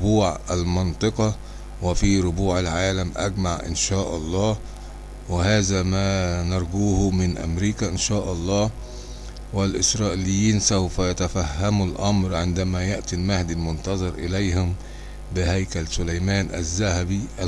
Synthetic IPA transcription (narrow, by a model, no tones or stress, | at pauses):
buːʕʔælmɑnt̪ˤɨqɑ | wɪfiɾʊbuːʕalʕaːlæmʔæ̰ɡmaʕʔɪ̰nʃaːʔɑlˤːɑː | wɪhæːzæmæːnɑɾˤɡuːhmɪnʔæ̰mɾiːkæʔɪnʃaːʔɑlˤːɑː | wɪlʔɪsɾˤɑːʔɪlɪjːiːnsawfæjat̪æfæhːæmulʔɑmɾʕɪnd̪æmæjaʔt̪ilmahd̪ilmʊnt̪ɑzˤɑɾʔɪlæjhʊm | bɪhæjkælsʊlæjmæːnʔæ̰zːæhæbiʔ